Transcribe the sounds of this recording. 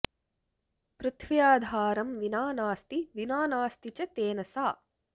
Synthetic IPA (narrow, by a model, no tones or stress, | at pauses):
pɾut̪ʰʋijaːd̪ʱaːɾɐmʋinaːnaːst̪iʋinaːnaːst̪it͡ʃɐt̪eːnɐsaː